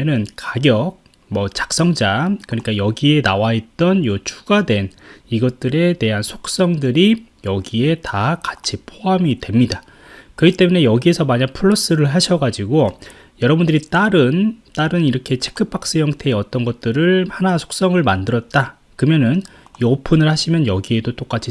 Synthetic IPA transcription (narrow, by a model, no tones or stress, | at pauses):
ʌnɯnkaɡjʌk̚ | mʌt͡ɕḁk̚s͈ʌŋd͡ʑakɯɲik͈ajʌɡie̞nawaet̚t͈ʌnjot͡ɕʰu̥ɡadwe̞niɡʌt̚t͈ɯɾe̞te̞ɦansʰo̥k̚s͈ʌŋdɯɾijʌɡie̞takat͡ɕʰipʰoɦamidwemɲida | kɯɡit͈e̞mune̞jʌɡie̞sʰʌmaɲakpʰuɭːʌs͈ɯɾɯɭɦaɕʰʌɡad͡ʑiɡo | jʌɾʌbundɯɾit͈aɾɯnt͈aɾɯniɾʌkʰe̞t͡ɕʰekʰɯp͈ʰak̚s͈ɯjʌŋtʰe̞ːʌt͈ʌnɡʌt̚t͈ɯɾɯɭhanasʰo̥k̚s͈ʌŋɯɭmandɯɾʌt̚t͈a | kɯmjʌnɯniopʰɯnɯɭhaɕʰimjʌnjʌɡie̞dot͈ok͈at͡ɕʰi